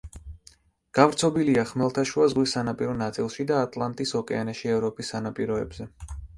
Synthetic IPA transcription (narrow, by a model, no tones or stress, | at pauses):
ɡ̥avɾt̪sʰɔbiliaχmɛlˠt̪ʰaʃuazʁwisːanapʼiɾɔnat̪sʼilˠʃid̪aːt̪ʼlˠant̪ʼisɔkʼɛanaʃiɛvɾɔpʼisːanapʼiɾɔɛ̰bz̥ɛ